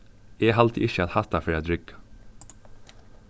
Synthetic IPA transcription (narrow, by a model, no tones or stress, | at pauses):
eːhɑlt̪ʰʔɪçəɑt̪hɑt̪ɑfeɑd̪ɾʏɡ̥